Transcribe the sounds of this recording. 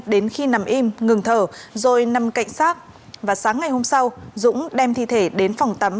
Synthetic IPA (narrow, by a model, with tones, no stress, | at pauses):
ɗe˨˦nxi˧na˨˩mʔi˧mŋɨ˨˩ŋt̪ʰəː˧˩zo˨˩jna˨˩mka̰˧˨jŋ̟saː˦˥k̚ | vaː˨˩saː˨˦ŋːa˨˩jho˧msa˧wzʊ̰˧˥ŋ͡mɗɛ˧mt̪ʰḭ˧˨t̪ʰe˧˩ɗe˨˦nfɔ˨˩wŋ͡mt̪ə˨˦m